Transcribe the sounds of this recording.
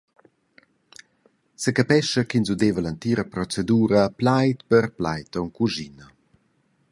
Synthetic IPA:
səkapɛʃəkinzud̪evəlant̪iːɾəpɾɔt͡seduːɾəplajt̪pəɾplajt̪ɔŋkuʒinɐ

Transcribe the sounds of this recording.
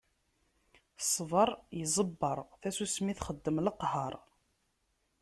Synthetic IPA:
sˤːvɑɾˤjəzˤəbːəɾˤθæsusmiθχəd̪ːəmləqhɑɾˤ

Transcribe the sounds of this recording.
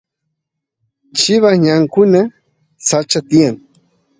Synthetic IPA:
t͡ʃɪβaɲaŋkʊna | sat͡ʃat̪ɪjaŋ

